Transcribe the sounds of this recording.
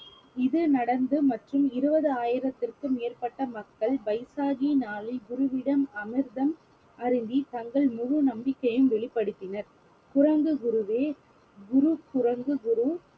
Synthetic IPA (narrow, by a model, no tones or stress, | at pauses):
ɪðɯnɐɽɐnd̪ɯmɐʈrɯmɪɾɯbɐðɯaːjɪɾɐt̪ːɪrkɯmeːrpɐʈːɐmɐkːɐɭbɐɪsaːɣinaːlɪɡʊɾɯʋɪɽɐmɐmɪɾðɐm | ɐɾɪnd̪it̪ɐŋɡɐɭmʊɻʊnɐmbɪkːɐjɯmʋɛɭɪpːɐɽɯt̪ːɪnɐɾ | kʊrɐŋɡɯɡʊɾɯʋeː | ɡʊɾukʊrɐŋɡɯɡʊɾɯ